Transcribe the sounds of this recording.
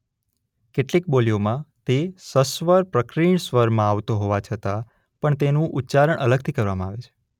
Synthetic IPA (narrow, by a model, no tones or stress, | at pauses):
keʈlik̚boliomãt̪esəsʋəɾpɾəkɾiɳsʋəɾmãaʋt̪oɦoʋat͡ʃʰət̪a | pəɳt̪enũʔutːt͡ʃaɾəɳʔələɡ̚t̪ʰikəɾʋamãaʋet͡ʃʰe̥